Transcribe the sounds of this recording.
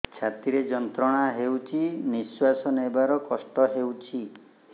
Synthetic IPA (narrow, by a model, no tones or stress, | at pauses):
t͡ʃʰat̪iɾed͡ʒɔnt̪ɾɔɽ̃aɦewt͡ʃʰiniswasɔnebaɾɔkɔsʈɔɦewt͡ʃʰi